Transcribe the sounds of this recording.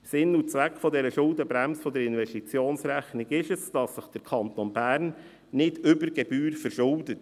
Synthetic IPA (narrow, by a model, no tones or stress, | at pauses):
sɪnːut͡sʋækfɔdɛɾəʃʊldəbɾæmsfɔdəɾɪnʋɛʃtit͡sjoːnsɾæχnɪɡɪʃəsd̥ɑsːəχd̥əɾkʰɑnt̪ɔnbæːɾnː | ɪdʏbəɾɡɛbyːɾfəɾʃʊldət